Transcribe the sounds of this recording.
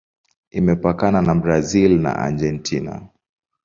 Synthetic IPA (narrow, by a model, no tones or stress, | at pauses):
imɛpakananabɾazilna̰ʔa̰d͡ʒɛntʰina̰